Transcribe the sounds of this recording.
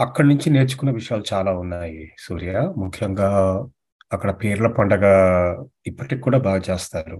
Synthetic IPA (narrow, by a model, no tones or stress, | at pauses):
ɐkːɐɽɐnuɲt͡ʃine̞ːɾt͡ʃu̥kunːɐʋiʂɐjaːlut͡ʃaːlaːunːaːjisuːɾijaːmukʰːjɐŋɡaː | ɐkːɐɽɐpeːɾulɐpɐɳɖɐɡaː | ipːɐʈikːkːuːɽaːbʱaːɡɐt͡ʃeːst̪aːɾu